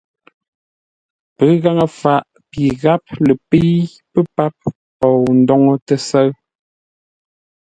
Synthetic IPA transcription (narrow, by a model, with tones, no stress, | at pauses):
pə˨˦ɣa˦ŋə˨fa˨ʔ | pi˨ɣa˦p̚lə˨pi˦ | pə˦pa˦p̚ | pɔ˨wn̩˦dɔ˦ŋo˦tə˦sə˦ɰ